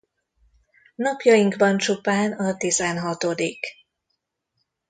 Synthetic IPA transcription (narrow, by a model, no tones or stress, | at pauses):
nɒpjɒjiŋɡbɒnt͡ʃupaːnɒt̪izɛnɦɒt̪o̞d̪ik